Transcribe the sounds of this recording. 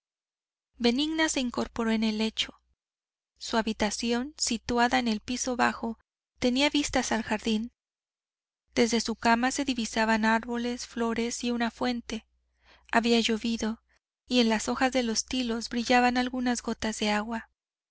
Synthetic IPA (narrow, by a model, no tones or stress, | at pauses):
be̞niɣnase̞iŋko̞ɾpo̞ɾo̞ene̞le̞t͡ʃo̞̥ | suaβit̪asjo̞nsit̪waðaene̞lpiso̞βaxo̞ | t̪e̞niaβist̪asalxaɾðin | d̪̥e̞zðe̞sukamase̞ðiβisaβanaɾβo̞le̞sflo̞ɾe̞siunafwe̞nt̪e̞ | aβiaʝo̞βiðo̞ | ie̞nlaso̞xazðe̞lo̞st̪ilo̞zbɾiʝaβanalɣunazɣo̞t̪azðe̞aɣwa